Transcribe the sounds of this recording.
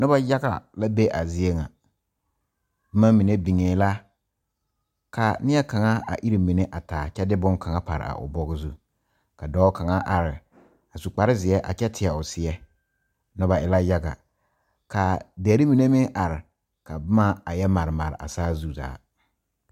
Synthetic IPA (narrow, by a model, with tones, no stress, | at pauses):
nʊ˦a˦ja˦ɡa̰˨la˦be˦ʔa˨zɪ˨e˦ŋa̰˨ | b̩˦ma˦mi˨ne˦bi˨ŋeː˨˦la˦ | ka˨nɪ˦ɛ˦ka˨ŋa˦a̰˨ʔi˦ɾi˨mi˨ne˦ʔa˨taː˨t͡ʃɛ˦dɪ˦bʊ˦ŋka˨ŋa˦pa̰˨ɾɪ̰˨a̰˨ʔʊ̰˨bɔ˦ɣɪ˦zu˦ | ka˨dɔː˦ka˨ŋa˦ʔa˨ɾɪ˨ | a˨su˨k͡pa˨ɾɪ˦zɪ˨ɛ˦ʔa̰˨t͡ʃɛ˦tʰɪ˨ɛ˨ʊ˨sɪ˨ɛ˦ | nʊ˦ba˨ʔɪ˦la˦ja˦ɡa̰˨ | ka˨dɛː˨˦ɾi˦mi˨ne˦mɪ˦ʔa˨ɾɪ˨ | ka˨bʊ˦ma˦a˨jɛ˦ma˨ɾɪ˨ma̰˨ɾɪ̰˨ʔa̰˨saː˦zu˦za̰ː˨˦